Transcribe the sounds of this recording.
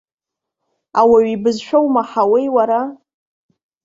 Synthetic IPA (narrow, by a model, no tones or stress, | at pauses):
awaɥibɨzʃᶣowmaħawejwaɾa